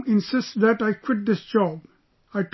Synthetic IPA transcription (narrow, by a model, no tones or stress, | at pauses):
ɪ̃nsɪsʈsd̪æʈaɪkwɪʈ̚d̪ɪsd͡ʒɔːb | aɪʈ